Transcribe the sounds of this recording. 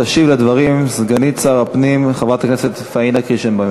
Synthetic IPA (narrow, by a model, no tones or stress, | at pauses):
aʃivled̪vaʁimsɡanit͡saʁapnimχavat̪akneset̪fainakiʃembam